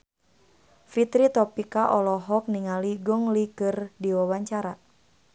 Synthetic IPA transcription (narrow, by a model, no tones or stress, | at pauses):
fit̪ɾit̪ɔpikaʔɔlɔɦɔk̚niŋaliɡɔŋlikɨrdiwawaɲt͡ʃaɾa